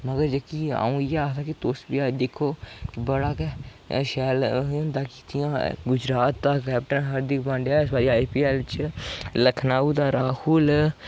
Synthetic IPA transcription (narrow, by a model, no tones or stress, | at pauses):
məɡəɾd͡ʒəkia̰ːũːjeaːt̪akit̪oːsbiaːd̪eːkʰoːkibəɽaːke | ʃɛːlõnd̪aːki̥ːt̪ʰijãːɡʊd͡ʒɾaːt̪ːakɛːp̚ʈənɦəɾd̪ɪkbə̃ɳɖjaːɪsbaːɾiaːjpiɛːlt͡ʃləkʰnaːud̪aɾaːhul